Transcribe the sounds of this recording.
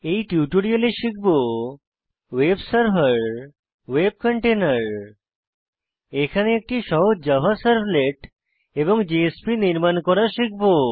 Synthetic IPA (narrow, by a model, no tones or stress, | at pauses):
ejʈjuʈoɽialeʃik̚ʰbo | websəɾfəɾ | web̚kɔɳʈenaɾ | ekʰaneek̚ʈiʃɔɦod͡ʑabʱasəɾbleʈ | eboŋd͡ʑiespiniɾmankɔɾaʃik̚ʰbo